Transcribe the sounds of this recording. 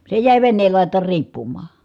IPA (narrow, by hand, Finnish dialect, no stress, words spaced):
se jæˑi̯ ʋenːeːl lɑˑitˑɑːr riːpːumːɑː